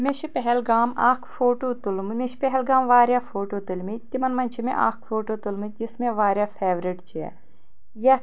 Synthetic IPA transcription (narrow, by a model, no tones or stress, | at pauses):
meʃipɛɦɛlɡaːma̰ːkʰfoːʈoːt̪ulmmeʃpɛɦɛlɡaːmʋaːɾʲjaːfʰoːʈoːt̪ulmit̪imɐnmɐnʲt͡ʃʰimḛ̃ʔa̰ːkʰfoːʈoːt̪ulmɨd͡ʒismẽʋaːɾʲjaːfʰeːʋɾiʈt͡ʃɛ̰ː | jɐ